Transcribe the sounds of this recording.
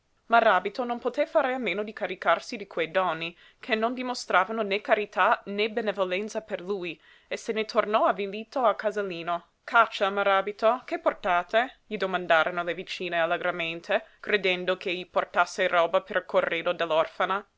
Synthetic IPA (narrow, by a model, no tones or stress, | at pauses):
maɾaːbit̪ononpot̪efaːɾeameːnod̪ikaɾikarsid̪ikʰwejd̪ɔnːi | kʰenːond̪imost̪ɾaːvanonekaɾit̪anebenevolɛnt̪saperluj | esenet̪ʰornɔaviliːt̪oalkazalːiːno | kat͡ʃːamaɾaːbit̪okeport̪aːt̪eʎid̪omand̪aːɾonolevit͡ʃiːnealːeɡɾament̪ʰekɾed̪ɛnd̪okʰeʎiport̪asːerɔːbapeɾkʰorːeːd̪od̪elːɔrfana